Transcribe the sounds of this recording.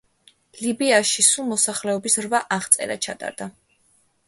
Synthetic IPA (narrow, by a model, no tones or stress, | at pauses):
libiaʃisulˠmɔsaχlɛɔbisɾvaʔaχt̪sʼɛ̰ɾat͡ʃʰat̪ʼa̰ɾd̪̥a